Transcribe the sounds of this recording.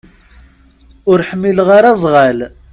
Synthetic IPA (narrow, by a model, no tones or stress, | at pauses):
ʊɾħəmːilʁaɾazˤʁal